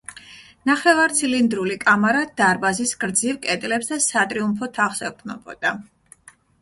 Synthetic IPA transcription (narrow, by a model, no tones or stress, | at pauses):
naχɛvaɾt̪sʰilind̪ɾulikʼamaɾad̪̥aɾbazisɡɾd̪zivkʼɛt̪ʼlɛpsd̪asat̪ʼɾiumpʰɔt̪ʰaχsɛt̪ʰnɔbɔ̰d̪̥a